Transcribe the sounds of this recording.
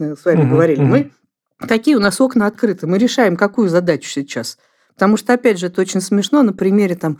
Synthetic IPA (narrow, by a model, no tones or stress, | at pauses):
svamʲɪɡəvɐɾʲilʲɪmɨ | t̪ɐkʲijəʊnaso̞knəɐt̪̚kɾɨt̪ɨmɨɾʲɪʂajɪmkɐkujʊzɐd̪at͡ɕʊ̥sʲɪt͡ɕas | pə̥t̪ɐmuʂt̪oɐpʲædʲʐɨɛt̪əot͡ɕɪnʲsmʲɪʂno̞nəpɾʲɪmʲeɾʲɪt̪am